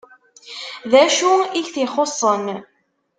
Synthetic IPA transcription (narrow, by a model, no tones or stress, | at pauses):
ðæʃuiçθiχosˤːən